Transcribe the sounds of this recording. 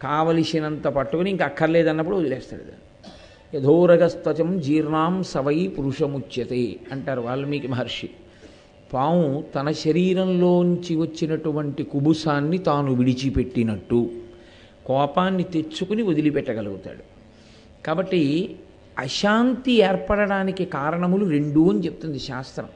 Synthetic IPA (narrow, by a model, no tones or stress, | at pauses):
kaːʋɐlisinɐnt̪ɐpɐʈːukuniŋkɐɐkʰːɐɾlɛːd̪ɐnːɐp̬ːuɽuod̪ilɛːst̪a̰ːɽɐd̪a̰n | ɐd̪ʱoːɾɐɡɐst̪ɐt͡ʃɐmd͡ʒiːɾnaːmsɐʋɐjpuɾuʂɐmut͡ʃːjɐt̪eɐɳʈaːɾuʋaːɭːɐmiːkɐmɐɦɐɾʂi | paːwũt̪ɐnɐʃɐɾiːɾɐmloːnuɲt͡ʃiʋɐt͡ʃːinɐʈuʋɐɳʈikubusaːnːit̪aːnuʋiɽit͡ʃipe̞ʈːinɐʈːu | kɔːpaːnːit̪e̞t͡ʃːukuniod̪ilipɛʈːɐɡɐluɡut̪a̰ːɽu | kaːbɐʈːi | ɐʃaːnt̪iɛːɾpɐɽɐɽaːnikikaːɾɐɳɐmuluɾe̞ɳɖuːɐnit͡ʃe̞put̪und̪iʃaːst̪ɾɐ̰m